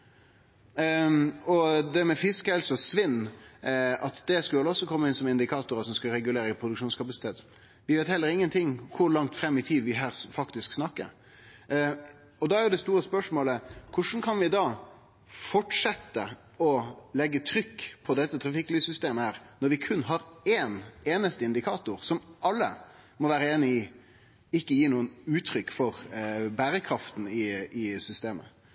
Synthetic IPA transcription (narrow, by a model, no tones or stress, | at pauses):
ɔd̪ɛmɛfɪskəɛlsɔsʋɪnː | ɑt̪d̪ɛskʉləɔsːɔkʰɔmːəɪnsɔmɪnd̪ɪkʰɑːt̪ʊɾəsɔmskʉlɾɛɡʉleːɾəpʰɾʊd̪ʉkʂuːnskʰɑpɑsɪ̥t̪ʰeːt̪ | ʋɪʋeːt̪hɛlːəɾɪŋːənt̪ʰɪŋːkʰʊɾlɑŋt̪fɾɛmːɪt̪ʰiːd̪ʋɪɦæːɾfɑkt̪ɪsksnɑkːə̰ɾ | ɔd̪ɑæɾjʊd̪ɛst̪uːɾəspœʂmoːləkʰʊʂn̩kʰɑnʋɪd̪ɑ | fɔʈʂɛt̪ːə | ɔlɛɡːət̪ʰɾʏkːpʰɔd̪ɛt̪ːət̪ʰɾɑfɪkːliːsʏst̪eːməhæːɾnɔɾʋɪkʰʉnːɦɑɾɛːneːnəst̪əɪnd̪ɪkʰɑːt̪ʊɾsɔmʔɑlːə̰ | mɔʋæːɾəeːnɪɪ | ɪkːəjiːnuːənʉːt̪ʰɾʏkːfɔʁbæːɾəkʰɾɑft̪n̩ɪɪsʏst̪eːmə̰